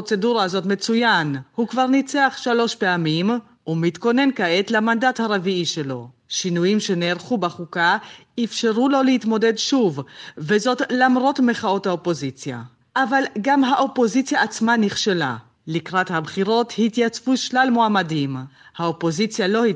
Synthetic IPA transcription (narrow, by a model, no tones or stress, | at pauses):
ot͡se̞duʁaazo̞tmet͡sujanhukvaʁnit͡seaχʃalo̞ʃpeamim | umit̪ko̞ne̞nkaʔet̪lamandathaʁeviiʃe̞lo̞ | ʃinujimʃe̞neːʁχubaχuka | ifʃeʁulo̞leit̪mo̞de̞dʃuvvezo̞tlamʁo̞tmeχao̞thaopo̞zit͡sja̰ | ʔavalɡamɦaʔo̞po̞zit͡sjaːt͡smaniχʃela̰ | likʁathabχiʁo̞thit̪jat͡svuʃlalmoamadimhaopo̞zit͡sjalo̞hi